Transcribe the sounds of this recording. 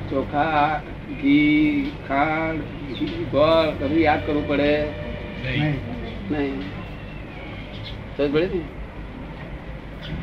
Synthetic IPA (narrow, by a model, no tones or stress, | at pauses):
t͡ʃɔkʰa | ɡikʰãɖ | iɡʱɔlkəbʱijad̪̚kəɾʋũpəɽe | nəɦĩ | d͡ʒəd͡ʒbəɽet̪ii